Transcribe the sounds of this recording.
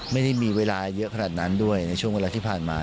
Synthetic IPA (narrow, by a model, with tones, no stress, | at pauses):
ma˥˩jda˥˩jmiː˧weː˧laː˧jɤ˦˥ʔkʰa˧naː˨˩t̪̚na˦˥ndu˥˩əjna˧jt͡ɕʰu˥˩əŋweː˧laː˧iː˥˩pʰaː˨˩nmaː˧